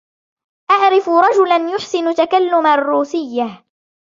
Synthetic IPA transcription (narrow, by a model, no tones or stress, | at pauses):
ʔaʕɾɪfʊɾˤɑd͡ʒʊlanjʊħsɪnʊt̪akalːʊmarːuːsɪjːa